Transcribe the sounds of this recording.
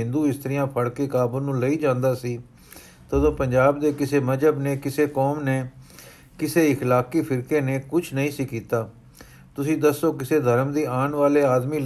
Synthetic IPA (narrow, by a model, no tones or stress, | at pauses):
ɪ̃nd̪uːɪst̪əɾɪjãːpʰəɽkeːkaːbuːnũːləiːd͡ʒãːnd̪aːsiː | t̪əd̪õːpəɲd͡ʒaːb̚d̪eːkɪseːməd͡ʒəbneːkɪseːkoːmneː | kɪseːɪkʰlaːkiːpʰɪɾkeːneːkʊt͡ʃʰnəĩːsiːkiːt̪aː | t̪ʊsĩːd̪əsːoːkɪseːd̪ʱəɾmd̪iːaːnʋaːleːaːd̪miː